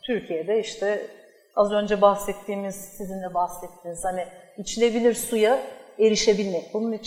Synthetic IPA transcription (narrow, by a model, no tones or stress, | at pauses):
t̪ʰyɾcʰijed̪ɛiʃt̪ʰɛ | azø̞nd͡ʒɛbahsɛt̪ʰːiːmiz̥sizind̪ɛbaxsɛt̪ʰːiniz̥hanɪit͡ʃʰilʲe̞bilʲiɾsujae̞ɾiʃe̞bilʲmɛc̚bulˠunit͡ʃʰ